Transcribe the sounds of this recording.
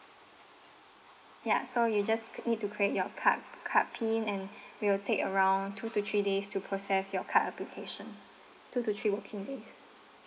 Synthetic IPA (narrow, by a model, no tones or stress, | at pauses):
ja̰sojud͡ʒasnid̚tukʰɹiet̚jɔkʰakʰat̚pʰĩnɛ̃nwiltʰekəɹãʊ̃ntʰutut̪ʰɹidestʰupʰɹosɛsjɔkʰataplikʰeʃə̃n | tʰutut̪ʰɹiwəkʰĩŋdes